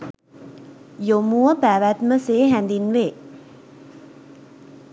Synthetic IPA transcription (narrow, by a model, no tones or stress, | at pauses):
jomuʋəpæʋæt̪məseːɦænd̪inʋeː